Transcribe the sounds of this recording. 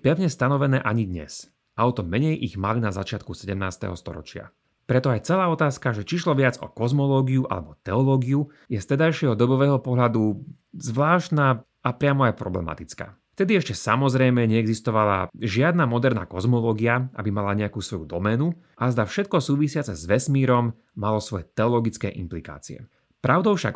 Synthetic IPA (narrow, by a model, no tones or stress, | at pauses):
pɛʋɲɛst̪anɔʋɛnɛːʔaɲid̪ɲɛ̰s | aɔt̪ɔmɛɲɛjʔiɣmalinazat͡ʃɪat̪̚kusɛɟɛmnaːst̪ɛ̰ɦɔ̰st̪ɔ̰ɾɔ̰t͡ʃɪa̰ | pɾɛt̪ɔajt͡sɛlaːɔt̪aːskaʒɛt͡ʃiʃlɔʋɪad͡zɔ̰kɔzmɔlɔːɡiuʔa̰lɛ̰bɔt̪ɛɔlɔːɡiu | jɛst̪ɛd̪ajʃɪɛɦɔd̪ɔbɔʋɛːɦɔpɔɦlad̪u | zʋlaːʃt̪na | apɾɪamɔajpɾɔ̰blɛ̰ma̰t̪it͡ska̰ː | ft̪ɛd̪iɛʃcɛsamɔzɾɛjmɛɲɛɛɡzist̪ɔʋala̰ʒɪad̪namɔd̪ɛɾna̰ːkɔzmɔlɔːɡiaʔa̰bimalaɲɛakuːsʋɔjud̪ɔmɛnu | ʔazd̪afʃɛt̪̚kɔsuːʋisɪat͡sɛzʋɛsmiːɾɔmː | alɔsʋɔjɛt̪ɛɔlɔɡit͡skɛ̰ːʔḭmplika̰ːt͡sḭɛ̰ | pɾʔaʊd̪ɔʊfʃa̰k